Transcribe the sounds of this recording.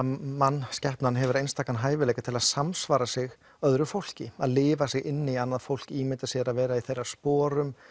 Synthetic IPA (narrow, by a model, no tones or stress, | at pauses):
manːscɛhpnanɦɛvʏɾaejnst̪aːkanɦaːjvɪleːjkat̪ʰɪlaðsamsvaːɾasɪɣ | œðɾʏfowl̥cɪaðlɪːvasɪɣɪnːɪianːaðfowl̥ciːmɪt̪asjɛɾaðvɛːɾaiθejrːḁspɔːɾʏm